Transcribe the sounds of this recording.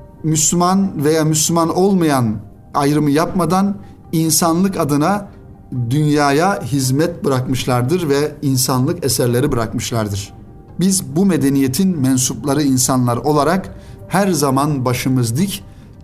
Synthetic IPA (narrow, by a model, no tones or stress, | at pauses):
myslʲymanve̞jaːmyslʲymano̞lˠmajan | ajɾɯmɯjapmad̪an | insanlˠɯkad̪ɯna | d̪ynjaːjaɦizmɛt̪bɯɾakmɯʃlˠaɾd̪ɯɾvɛinsanlˠɯkesæɾlʲe̞ɾibɯɾakmɯʃlˠaɾd̪ɯɾ̥ | bizbumed̪enije̞t̪ʰinmɛnsuplˠaɾɯinsanlˠaɾo̞lˠaɾak | hæɾzamanbaʃɯmɯzd̪ɯc